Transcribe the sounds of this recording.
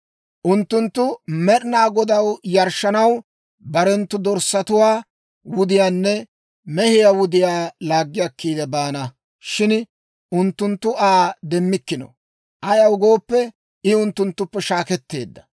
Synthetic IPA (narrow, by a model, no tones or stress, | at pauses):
ʔʊnt̪ːʊnt̪ːʊmɛɗɪnaːɡɔd̪ɐwjɐɾʃɐnɐw | bɐɾɛnt̪ːʊd̪ɔɾsːɐt̪ʊwaː | wʊd̪ɪjaːnːɛ | mɛhɪjaːwʊd̪ɪjaːlaːɡːɪjɐkːiːd̪ɛbaːnɐ | ʃɪn | ʊnt̪ːʊnt̪ːʊʔaːd̪ɛmːɪkːɪnɔ̰ | ʔɐjɐwʊɡo̞ːpːɛ | ɪʊnt̪ːʊnt̪ːʊpːɛʃaːkɛt̪ːe̞̰ːd̪ːɐ̥